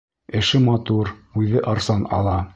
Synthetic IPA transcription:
ɘ̆ʃɘmɑt̪uɾʉðɘʔɑɾsɑnɑ̰lˠɑ

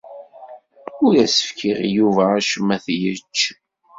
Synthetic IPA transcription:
ʊɾæsə̥fkʰiʁjuvæːʃəmæθjət͡ʃː

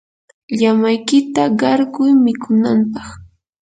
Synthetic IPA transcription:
ʎamajkɪt̪aɢɑɾɢʊjmɪkʊnampɑχ

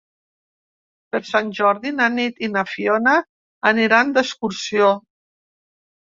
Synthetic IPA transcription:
pəɾsanʲʒɔɾðinanit̪inafionaː | niɾand̪əskuɾsio

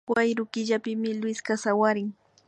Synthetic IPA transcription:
wajɾʊkɪʎapɪmɪlwɪskasawaɾɪŋ

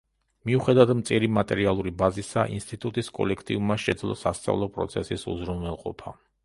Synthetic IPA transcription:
miuχɛd̪avad̪mt̪sʼiɾimat̪ʼɛɾialˠuɾibazisaʔḭnst̪ʼit̪ʼut̪ʼiskʼɔ̰lɛkʰt̪ʼiummaʃɛd̪zlˠɔ̰sast̪sʼa̰vlˠɔpʼɾɔ̰t̪sʰɛsisṵzɾunvɛlˠqʼɔpʰa̰

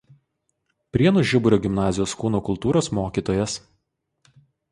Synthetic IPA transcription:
pʲɾʲiɛnʊʒʲɪbʊɾʲoːɡʲɪmnɑːzʲɪjoːskuːnuːkʊlˠt̪uːɾoːsmoːkʲiːt̪oːjɛs

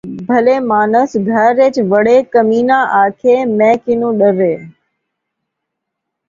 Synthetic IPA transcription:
bʱəleːmaːnəsɡʱəɾːeːt͡ʃʋəɽeːkəmiːnãːʔaːkʰeːmɛ̃ːkɪnũːɗəɾeː

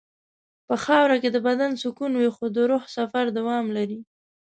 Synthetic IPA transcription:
pəxɑwɾaked̪əbad̪ansʊkunwixod̪əɾohsafaɾd̪awɑmlaɾi

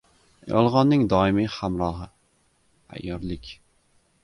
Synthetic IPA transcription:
jɒ̰lˠʁɒnːɪŋd̪ɒɪmihamɾɒɦɪ | a̰ʔjɒɾlɪkʲ

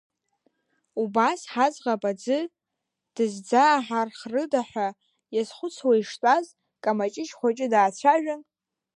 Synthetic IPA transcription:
ubasħad͡zʁapʼad͡zɨ | d̥ɨzd͡zaːħarχrɨdaħʷᶣa | jazχʷʊt͡sʰwaiʂtʼaz | kʼamat͡ʃʼɪʃχʷat͡ʃʼɪdaːt͡ɕʷʰaʒᶣan

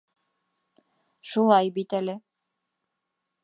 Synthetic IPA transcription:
ʃulˠɑjbit̪ælɘ

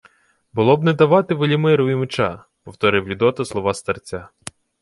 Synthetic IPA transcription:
bʊlˠɔbnɛd̪ɐʋɑt̪ɪʋelʲimɪɾʊimet͡ʃɑ̰ | pɔwt̪ɔɾɪwlʲʊd̪ɔt̪ɐslˠɔʋɑst̪ɐrt͡sʲa

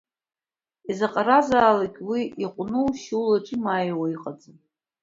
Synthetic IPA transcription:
izaqʼaɾazaːlakʲʼwiiqʷʼnɨwʃulaʈ͡ʂʼimajwaiqʼad͡zʼɨ

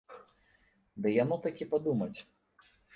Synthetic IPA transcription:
d̪ɨjanɔt̪akʲipad̪umɐt͡sʲ

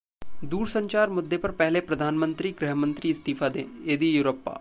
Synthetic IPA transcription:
d̪uːɾsə̃ɲt͡ʃaːɾmʊd̪ʱːepɐɾpɛɦlepɾɐd̪ʱaːnmə̃nt̪ɾiɡɾɪɦmə̃nt̪ɾiɪst̪iːfʰad̪ḛ̃ːjed̪ijuːɾoːpːa̰ː

